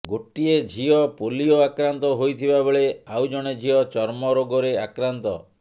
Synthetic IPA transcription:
ɡoʈied͡ʒʱiɔpolijɔakɾant̪ɔɦojt̪ʰibabeɭeawd͡ʒɔɽ̃ed͡ʒʱiɔt͡ʃɔɾmɔɾoɡɔɾeakɾant̪ɔ̰

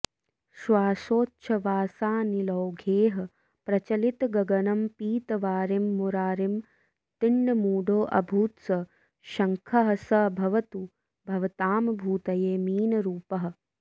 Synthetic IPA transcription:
ʃʋaːsoːtːʃʰɐʋaːsaːnilɐwɡʱeːɦɐ̆ | pɾɐt͡ʃɐlit̪ɡɐɡɐnɐmpiːt̪ɐʋaːɾemːuɾaːɾim | t̪iɳɖɐmuːɖoːʔɐ̰bʱuːt̪sɐ | ʃɐŋkʰɐɦɐsɐbʱɐʋɐt̪u | bʱɐʋɐt̪aːmɐbʱuːt̪ɐjeːmiːnɐɾuːpɐɦɐ̆

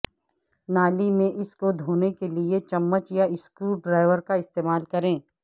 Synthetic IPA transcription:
naːlimẽʔɪskod̪ʱoːnekeliet͡ʃɐmːət͡ʃjaɪskuːɖɾaːɪʋəɾkaɪst̪eːmaːlkɐɾẽː

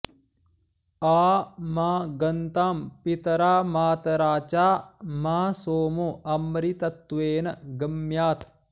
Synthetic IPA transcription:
aːmaːɡɐnt̪aːmpit̪ɐɾaːmaːt̪ɐɾaːt͡ʃaːmaːsoːmuʔɐmɾit̪ɐt̪ːʋeːnɐɡɐmjaːt̪ʰ

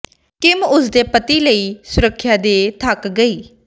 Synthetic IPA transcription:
kɪmʊsd̪eːpət̪iːləiːsʊɾəkʰːjaːd̪eːt̪ʰəkɡəiː

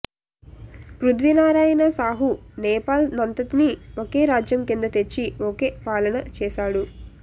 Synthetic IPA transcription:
pɾud̪ʋinaːɾaːjɐnɐsaːɦunɛːpaːlnɐnt̪ɐt̪inioke̞ːɾaːd͡ʒjɐmkind̪ɐt̪e̞t͡ʃːioke̞ːpaːlɐnɐt͡ʃɛːʃaːɽu

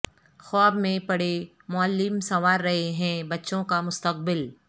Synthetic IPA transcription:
xɔːbmẽpɐɽe | mʊəlːɪmsɐʋaːɾːɐɦeɦɛ̃bɐtːʃõkamʊst̪əq̚bɪl

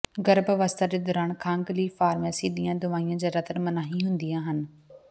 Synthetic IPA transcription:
ɡɐɾbəʋaːst̪ʰad͡ʑed̪ɔːɾaːɳkʰãːŋɡliːfaːɾmasiɗijãd̪ʊʋaːijə̃d͡ʑaːɾɐt̪əɾmɐnaːɦĩɦũːnd̪iaːɦənɪ̆

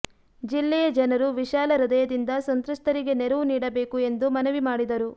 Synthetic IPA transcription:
d͡ʒilːɛjɐd͡ʒɐnɐɾuʋiʃaːlɐɾid̪ɐjɐd̪ind̪ɐsɐnt̪ɾust̪ɐɾiɡe̞neɾɐʋuniːɽɐbe̞ːkue̞nd̪umɐnɐʋimaːɽid̪ɐɾu

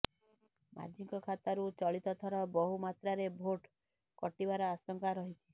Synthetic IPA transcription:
mʔa̰d͡ʒiŋkɔkʰat̪aɾut͡ʃɔɭit̪ɔt̪ʰɔɾɔbɔɦumat̪ɾaɾebʱoʈ | kɔʈibaɾɔasɔŋkaɾɔɦit̪ʰi

